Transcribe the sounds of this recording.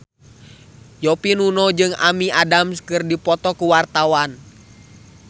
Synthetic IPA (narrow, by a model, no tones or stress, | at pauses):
jɔpinunɔd͡ʒɨŋa̰miʔadamskɨrdipɔt̪ɔkuwart̪awan